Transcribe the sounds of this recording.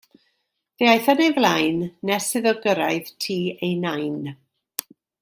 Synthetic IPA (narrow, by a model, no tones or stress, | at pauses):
ðeajθanejvlˠajnːɛsɨðɔɡəɾajðtʰiːejnajn